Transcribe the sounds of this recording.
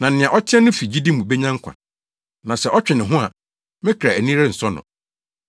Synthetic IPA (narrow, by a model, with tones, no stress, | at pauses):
nã˨n̩˨nɪ̃˨a˨ʔɔ˦t͡ɕʰɪ˦ɛ˦nʊ̃˦fi˨d͡ʑi˦di˦mũ˨be˦ɲã˦ŋ̩˦kʷʰa̰˨ | nã˨sɛ˨ʔɔ˦t͡ɕᶣɪ˨nɪ̃˨ɦʊ̃˦a̰˨ | mɪ̃˦kʰa˨æ˨nĩ˦ɾɛ˦n̩˨sɔ˦nʊ̰̃˨